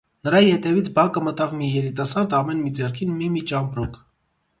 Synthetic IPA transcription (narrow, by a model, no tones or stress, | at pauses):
nəɾɑjihɛt̪ɛvit͡sʰbɑkəmət̪ɑvmijɛɾit̪ɑsɑɾd̪ɑmɛnmid͡zɛrkʰinmimit͡ʃɑmpɾɔkʰ